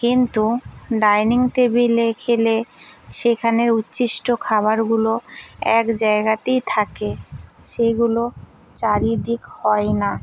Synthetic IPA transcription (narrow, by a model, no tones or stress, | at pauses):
kint̪uɖajniŋʈ̪ebilekʰeleʃekʰaneɾutːɕiʃʈokʰaβaɾɡuloɛkd͡ʑaeɡat̪ejt̪ʰakeʃeɡulo | t͡ɕaɾid̪ikhɔena